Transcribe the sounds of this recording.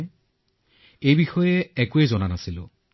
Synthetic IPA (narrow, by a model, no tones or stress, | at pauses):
ejbixɔjɛɛkuɛzɔnanasilʊ̰